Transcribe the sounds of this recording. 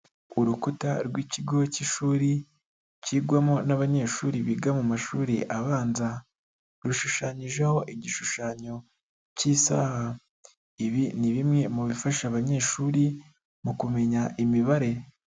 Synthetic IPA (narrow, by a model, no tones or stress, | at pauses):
uɾukutaɾɡwiːciɡociʃuːɾi | ciɡwamonaβaɲe̞ʃuːɾiβiɡamumaʃuːɾḭʔaβaːnza | ɾuʃuʃaɲiʒeho̞ʔiɟiʃuʃaːɲo̞ | ciːsaːha | iβiniβimŋe̞muβifaʃaβaɲe̞ːʃuːɾi | mukume̞ɲaʔimiβaɾe̞